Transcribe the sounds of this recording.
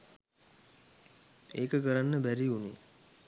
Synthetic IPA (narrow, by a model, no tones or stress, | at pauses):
eːkəkəɾanːəbæɾiunḛ